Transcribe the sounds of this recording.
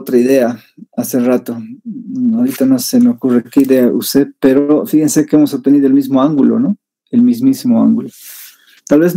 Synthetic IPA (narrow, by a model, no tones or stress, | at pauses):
ot̪ɾaiðea | aserat̪o | awɾit̪anose̞meokure̞keiðeaʔṵst̪epe̞ɾofixensekeemosop̚t̪e̞niðoelmizmoaŋɡulo̞̰no | elmizmisimoa̰ŋɡulo | t̪alβe̞zn